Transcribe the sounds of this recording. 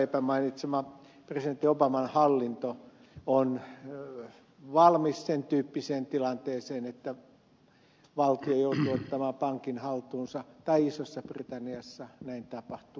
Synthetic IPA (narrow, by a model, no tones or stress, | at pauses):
epæmɑinit̪semɑ | president̪ːiobɑmɑnhɑlːint̪o | on | ʋɑlmissent̪yːpːiseːnt̪ilɑnt̪eːseːnet̪ːæ | ʋɑlt̪iojout̪uot̪ːɑmɑːpɑŋkinhɑlt̪uːnsɑt̪ɑiisosːɑprit̪ɑnːiɑsːɑnæint̪ɑpɑht̪uː